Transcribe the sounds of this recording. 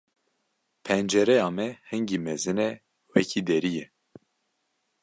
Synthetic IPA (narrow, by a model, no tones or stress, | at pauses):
pʰɛnd͡ʒɛɾɛjɑːmɛhɨŋɡimɛzɨnɛ | wɛcʰid̪ɛɾijɛ